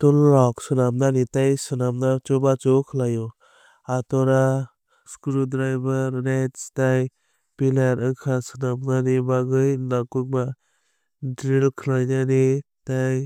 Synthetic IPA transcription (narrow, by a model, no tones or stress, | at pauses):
tɔlːɔksɯnamnanitajsɯnamnat͡ʃɔbat͡ʃɔkʰlajɔ | atɔɾa | skuɾudɾajbaɾnetstaj | pilaɾɯkʰasɯnamnanibaɡɯjlakuk̚ba | dɾilkʰɯlajnani | taj